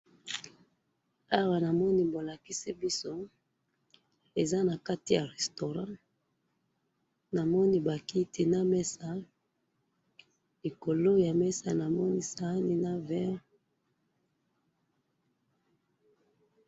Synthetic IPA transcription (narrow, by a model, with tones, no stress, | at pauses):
a˦wa˨na˨mɔ˦ni˦bo˨la˨ki˦si˦bi˦so˦ | e˨za˦na˨ka˦ti˨ja˨ʁɛ˨sto˨ʁã˦ | na˨mɔ˦ni˦ba˨ki˦tʰi˨na˦mɛ˦sa˨ | i˨ko˨lo˦ja˨mɛ˦sa̰˨na˨mɔ˦ni˦sa˦ni˦na˦vɛ˦ʁ